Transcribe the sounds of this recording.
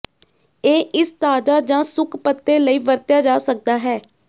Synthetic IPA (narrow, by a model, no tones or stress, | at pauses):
eːʔɪst̪aːd͡ʒaːd͡ʒãːsʊkʰpət̪ːeːləiːʋəɾt̪jaːd͡ʒaːsək̚d̪aːɦɛː